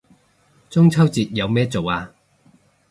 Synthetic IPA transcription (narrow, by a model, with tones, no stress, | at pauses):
t͡sʊ˥ŋt͡sʰɐ˥wt͡siː˨t̚jɐ˨˧wmɛː˥t͡so˨waː˧